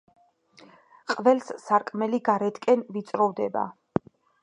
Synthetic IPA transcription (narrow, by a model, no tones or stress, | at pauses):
qʼvɛlssaɾkʼmɛliɡaɾɛt̪ʰkʼɛnvit̪sʼɾɔvd̪ɛba̰